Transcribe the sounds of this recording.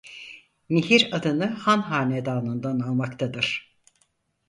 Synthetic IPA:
miɦiɾad̪ɯnɯhanɦaːnɛd̪aːnɯnd̪analˠmakt̪ʰad̪ɯɾ̥

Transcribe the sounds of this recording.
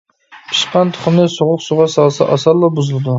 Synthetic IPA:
pʰɨ̥ʃqɑnt̪ʰʊ̥χʊmnɪsoʁʊqsʊʁɑsɑlˠsa̰ʔɑsɑɾlˠɑbʊzɨlˠd̪ɪ

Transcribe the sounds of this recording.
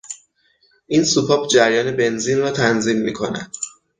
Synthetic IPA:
ʔiːnsupʰɒːbd͡ʒæɾjɒːnebe̞nziːnrɒːt̪ʰænziːmːiːkʰo̞næ̰d̪̥

